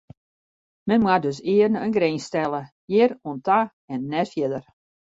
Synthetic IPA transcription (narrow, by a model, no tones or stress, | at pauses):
mɛnmwadøs̬ɪərnənɡɾeːnstɛlˠə | jɪɾuənta | ɛnːɛtfjɪdər